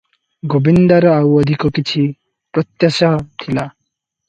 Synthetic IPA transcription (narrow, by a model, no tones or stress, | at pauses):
ɡobind̪aɾʌawʌd̪ʱikokit͡sʰi | pɾʌt̪jʌsat̪ʰila